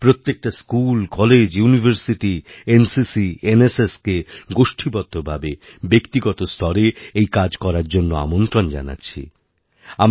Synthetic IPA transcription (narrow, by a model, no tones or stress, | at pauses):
pɾot̪ːek̚ʈaskulkɔled͡ʑjunibʱeɾsiʈiensisieneseskeɡoʃʈʰibɔt̪ːobʱabe | bekt̪iɡɔt̪ost̪ʰɔɾeejkad͡ʑkɔɾaɾd͡ʑonːoa̰mont̪ɾond͡ʑa̰na̰tːɕʰḭ | am